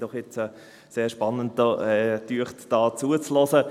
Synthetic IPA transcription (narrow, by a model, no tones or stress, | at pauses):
d̥ɔχjɛt͡sə | seːʁʃpɑnːəntdəɛtyəχtd̥ɑːt͡suːət͡slɔsə